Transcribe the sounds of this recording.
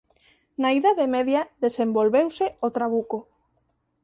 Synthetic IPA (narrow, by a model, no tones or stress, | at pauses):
naiðaðemeðjaðesembolβewseot̪ɾaβ̞uko